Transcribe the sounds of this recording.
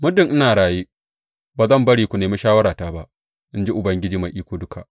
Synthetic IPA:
mʊ˦dɪ˨ŋʔɪ˦naː˨ɽaː˨jiː˦ | baː˨zɐ˦˨mbɐ˦ɽiː˨kʷu˨neː˨mʊ˦ʃaː˦wɐ˦ɾaː˨taː˦ba˦ʔ | ʔɪ˦nd͡ʒi˦ʔʊ˨bɐ˦ŋɡʲɪ˦d͡ʒiː˨ma˨ʔiː˦kʷoː˦dʊ˦kʰa˨ʔ

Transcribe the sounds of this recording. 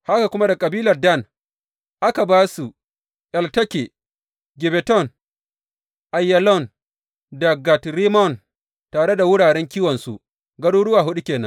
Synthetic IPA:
ha˦ka˨kʷʊ˦ma˦da˨kʼɐ˨biː˦lɐ˨rdɐ˦˨n | ʔa˦ka˨baː˦su˨ | ʔɛ˨ltɐ˦kʲe˨ | ɡʲɪ˨bɛ˨tɔ˦˨n | ʔa˨jːa˨lɔ˦˨n | dɐ˨ɡa˨tɾi˦mɔ˦˨n | taː˨ɽe˦da˨wʊ˦ɽaː˨ɽɛ˦ŋkʲiː˦wɔ˨nsṵ˨ | ɡɐ˦ɽuː˦ɽʊ˦waː˨ɦʊ˦ɗu˦kʲeː˨nɐ̰˦n

